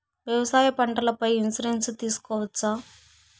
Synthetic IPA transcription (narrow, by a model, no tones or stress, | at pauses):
ʋjɐʋɐsaːjɐpɐɳʈɐlɐpɐjinsiɾenst̪iːsu̥kɔːʋɐt͡ʃːaː